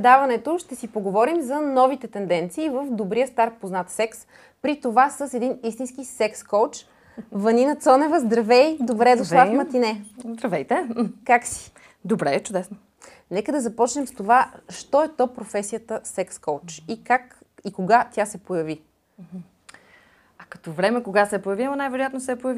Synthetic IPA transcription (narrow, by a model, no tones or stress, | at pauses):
d̪avɐnɛt̪oʃt̪ɛsipoɡovɔɾimzɐnɔvit̪ɛt̪ɛnd̪ɛnt̪siːvəfd̪obɾijəst̪aɾ̚poznat̪sɛks | pɾit̪ovasəsɛd̪inist̪inskisɛkskɔwt͡ʃ | vɐninət̪sɔnɛvəzd̪ɾɐvɛjd̪obɾɛd̪osˠafmɐt̪inɛzd̪ɾɐvɛjt̪ɛkaksi̥ | d̪obɾɛt͡ʃʊd̪ɛsno | nɛkəd̪ɐzɐpɔt͡ʃnɛmst̪ovaʃt̪ɔɛt̪ɔpɾofɛsijət̪əsɛkskowt͡ʃikak | ikoɡat̪ʲasɛpojɐvi | ɐkɐ̥t̪ɔvɾɛmɛkoɡasɛːpojɐviɐmɐnajvɛɾojat̪nosɛːpojɐvi